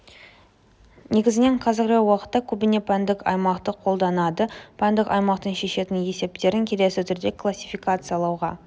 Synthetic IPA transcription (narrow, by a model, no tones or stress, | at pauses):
ne̞ɡʲɪzɪne̞ɴqʰɑzɪɾɾɑwɑqə̥t̪ːɑkʲʰɵbɪne̞pʰænd̪ɪkɑ̰jmɑqt̪əqʰo̞lˠd̪ɑnɑd̪əpʰænd̪ɪkɑjmɑqt̪ənʃe̞ʃe̞t̪ɪnje̞se̞p̚t̪e̞ɾɪŋkʲʰe̞le̞sɪt̪ʰʏɾd̪e̞kʰlˠasʲːifikat̪sɨjɑlˠɑwʁɑ